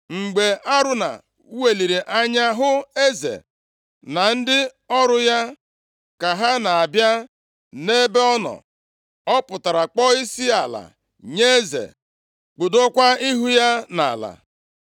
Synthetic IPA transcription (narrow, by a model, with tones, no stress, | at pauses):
ŋ͡m̩˨ɡ͡be˨ʔa˦ɾʊ˦na̰˨˦ | we˨li˨ɾi˨ʔa˦ɲa˦ɦʊ˦e˦zḛ˨ | na˨n̩˦dɪ˦ | ɔ˦ɾʊ˦ja˦ | ka˨ɦa˦na˨a˨bja˦ | ne˦be˦ɔ˦nɔ̰˨ | ɔ˦pʊ˨ta˨ɾa˨k͡pɔ˦i˦si˦a˨la̰˨ | ɲe˦e˦zḛ˨ | k͡pʊ˨do˦kʷa˦i˦ɦu˦ja˦na̰˨la̰˨